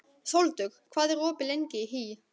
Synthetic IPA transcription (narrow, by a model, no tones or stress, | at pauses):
θowlt̪ʏxkʰvaːðɛɾɔːpɪlejɲcɪɦi